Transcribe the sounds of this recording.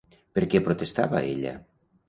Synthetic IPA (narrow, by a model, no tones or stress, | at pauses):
peɾkɛpɾot̪est̪a̰βa̰eʎa̰